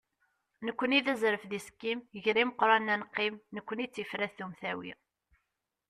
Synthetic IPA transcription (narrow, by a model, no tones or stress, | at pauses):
nəkʷːəniðæzɾəfðiskːimjəʝɾiməqːɾˤɑnːænqːimnəkʷːənit͡sːifɾæθθumθæwḭ